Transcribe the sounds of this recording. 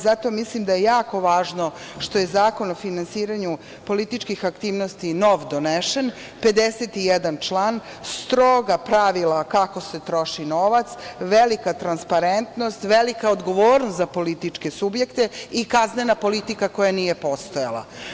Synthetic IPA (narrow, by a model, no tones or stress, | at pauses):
zat̪o̞mislimd̪ajejaːko̞ʋaːʒno̞ | ʃt̪o̞je̞zaːko̞no̞finansiːɾaɲu | po̞lit̪it͡ʃkixakt̪iːʋno̞st̪ino̞ʋd̪oneʃen | pe̞d̪eset̪ijed̪ant͡ʃlˠaːn | st̪ɾoɡapɾaʋilakako̞se̞t̪ɾo̞ʃinoʋat̪sʋelikat̪ɾanspaɾent̪no̞st̪ʋelikaod̪ɡo̞ʋoːɾnost̪zapo̞lit̪it͡ʂke̞subjekt̪eikaznenapo̞lit̪ikako̞janiːjepo̞st̪ojalˠa̰